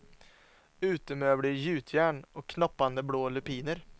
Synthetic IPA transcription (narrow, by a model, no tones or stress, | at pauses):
ʉ̟ːt̪əmøːbɽijʉ̟ːt̪ʰjæːɳɔkʰːnɔpːand̪əbloːlɵpiːnəɾ